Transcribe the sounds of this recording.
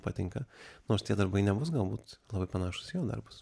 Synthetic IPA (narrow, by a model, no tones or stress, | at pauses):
pɑ̰t̪ʲɪŋkɐnoːɾst̪ʲiɛd̪ɐɾbɐɪnʲɛbʊs̬ɡɐlˠbuːt̪lˠɑbɐɪpɐnɑːʃʊ̥sjɛʊd̪ɐ̰rbʊs